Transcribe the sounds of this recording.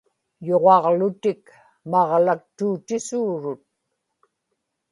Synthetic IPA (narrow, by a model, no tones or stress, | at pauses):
joʁɑʁlʊt̪ɪk | mɑʁlak̚t̪uːt̪ɪsuːɻʊt̪̚